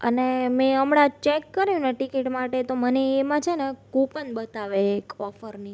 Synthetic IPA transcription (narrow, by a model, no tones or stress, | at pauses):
ə̰nemẽəmɽat͡ʃɛkːəɾjũneʈikiʈmaʈet̪oməneːmãt͡ʃʰenekupənbət̪aʋeːkɔfəɾni